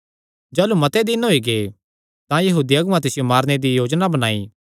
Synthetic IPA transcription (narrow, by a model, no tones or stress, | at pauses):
d͡ʒaːlumɐt̪ed̪ɪnɦoiɡeː | t̪ãjɐɦuːd̪iɐɡʊʋãt̪ɪsɪjomaːɾned̪ijoːd͡ʒnabɐnaːḭ